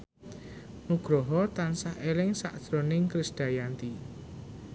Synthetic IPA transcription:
nuɡ̥ɾɔɦɔt̪ansahelɪŋsa̰ʔd̥d̪̥ɾɔnɪŋkɾɪsd̥a̤jant̪i

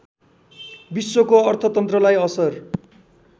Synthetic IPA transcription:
biswokoʌrt̪ʰʌt̪ʌnt̪rʌlajʌsʌr

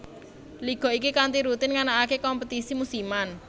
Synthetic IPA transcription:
liɡ̥ɔ̤ikikant̪iɾut̪ɪnŋanaakekɔmpət̪isimusiman

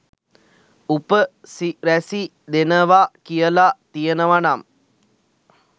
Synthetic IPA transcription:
upəsiɾæsi | d̪enəʋakijəlat̪ijənəʋanam

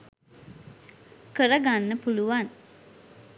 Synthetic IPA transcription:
kəɾəɡanːəpuluʋan

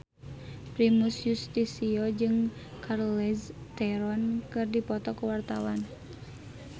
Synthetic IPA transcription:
pɾimusjust̪isiɔd͡ʒɨŋ | kʰarlɛst̪ɛɾɔnkɨrdipɔt̪ɔkuwart̪awan

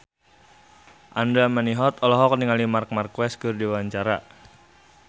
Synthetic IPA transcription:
ʔandaməniɦɔt̪ɔlɔɦɔk̚niŋalimark̚markwɛskɨrdiwwaɲt͡ʃaɾa̰

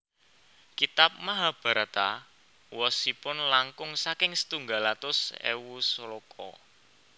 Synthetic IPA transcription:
kit̪ap̚maɦab̥a̤ɾat̪a | wɔsipʊnlaŋkʊŋsakɪŋsə̥t̪uŋɡalat̪ʊsḛwuslokʰɔ̰

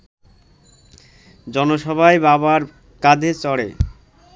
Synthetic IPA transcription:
d͡ʑɔnoʃɔbʱaebaβaɾ | kad̪ʱet͡ɕɔɽḛ

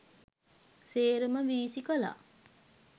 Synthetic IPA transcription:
seːɾəməʋiːsikəla̰

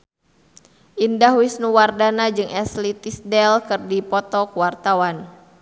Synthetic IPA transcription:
ʔindahwisnuwardanad͡ʒɨŋʔɛslit̪isdɛlkɨrdipɔt̪ɔkuwart̪awan

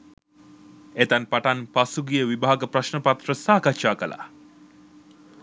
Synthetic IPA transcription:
et̪anpaʈanpasuɡijəʋibaɦaɡəpraʃnəpat̪rəsaːkatʃaːkəlʔa̰

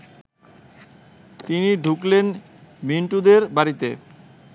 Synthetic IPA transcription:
t̪iniɖʱuklen | miɳʈud̪eɾbaɾit̪e

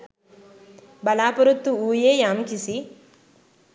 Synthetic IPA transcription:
bɐlaːpɐɾut̪ːuuːjeːjaːmkisi

